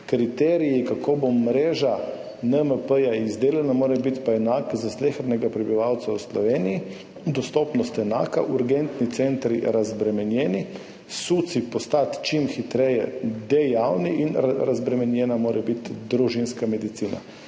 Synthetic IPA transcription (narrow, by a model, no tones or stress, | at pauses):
kɾit̪ɛːɾijikakoːbomɾeːʒa | nəməpəjaizd̪eːlɛnamoːɾɛbit̪paɛnaːkzaslexɾnɛɡapɾɛbiʋawt̪sawslɔʋeːniji | d̪ɔst̪ɔːpnɔst̪ɛnaːka̰ʔuɾɡɛnt̪nit̪sent̪ɾiɾazbɾɛmɛnjɛːni | sut̪sipɔst̪at̪t͡ʃimxit̪ɾɛjɛ̰d̪ɛjawniʔinɾazbɾɛmɛnjɛnamoːɾʔɛbit̪d̪ɾuʒinskamɛd̪it̪siːna̰